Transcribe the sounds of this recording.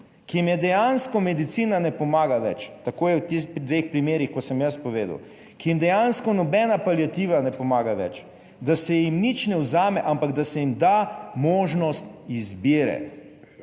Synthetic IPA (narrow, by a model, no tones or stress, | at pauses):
kijimjɛd̪ɛjanskɔmɛd̪it̪siːnanɛpɔmaːɡaʋɛ̰t͡ʃt̪akoːjɛwt̪ed̪ʋexpɾimeːɾixkɔsəmjəspɔʋeːd̪ə̰w | kijimd̪ɛjanskɔnɔbɛnapaljat̪iːʋanɛpɔmaːɡaʋɛ̰t͡ʃ | d̪asɛjimnit͡ʃnɛwzaːmɛʔampaɡd̪asɛjimd̪amoːʒnɔst̪izbiːɾɛ̰